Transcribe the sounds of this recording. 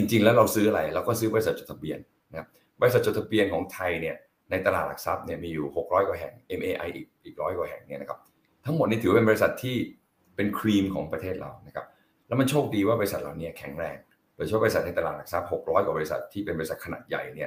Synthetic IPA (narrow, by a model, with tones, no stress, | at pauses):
t͡ɕi˧ŋt͡ɕi˧ŋlɛ˦˥wɾa˧wsɯː˦˥ʔa˧ɾa˧jlɛː˦˥wkɔː˥˩sɯː˦˥bɔ˧i˧˥sa˨˩t̪̚t͡ɕo˨˩t̪ʰa˧bi˧ən | na˦˥kʰa˦˥p̚ | bɔ˧i˧˥sa˨˩t̪̚ːo˨˩t̪ʰa˧bi˧ənkʰɔː˩˦ŋt̪ʰa˧jni˥˩ɐ | na˧jt̪a˧laː˨˩t̪̚la˨˩k̚sa˦˥p̚ni˥˩ɐmiː˧juː˨˩ho˨˩k̚ɾɔː˦˥jkwa˨˩ɦɛ̰˨˩ŋʔe˧mʔeː˧ʔa˧jʔiː˨˩k̚ʔiː˨˩k̚ɾɔː˦˥jkwa˨˩ɦɛ̰˨˩ŋni˥˩ɐna˦kʰa˦˥p̚ | t̪ʰa˦˥ŋmo˨˩t̪̚n˦˥˩t̪ʰːe˧bɔː˧ɾi˧sa˨˩t̪ʰːiː˥˩ | pe˧nkʰɾiː˧mkʰɔ̰ː˩˦ŋpɾa˧t̪ʰeː˥˩t̪̚ɾʔa̰˧wna˦˥kʰa˦˥p̚ | lɛ˦˥wma˧nt͡ɕʰoː˥˩k̚diː˧waː˥˩bɔː˧ɾi˧sa˨˩t̪̚laː˨˩wni˦˥ɐkʰɛ˩˦ŋɾɛː˧ŋ | doː˨˧˩jt͡ɕʰːbsa˩t̚na˧jt̪a˧aː˨˩la˨˩k̚sa˦˥p̚ho˨˩k̚ɾɔː˦˥jkwbɔː˧ɾi˧˥sa̰˨˩t̪ʰːiː˥˩pe˧nbɔ˧i˧sa˨˩kʰa˧na̰ː˨˩t̪̚ja̰˨˩jni˥˩ɐ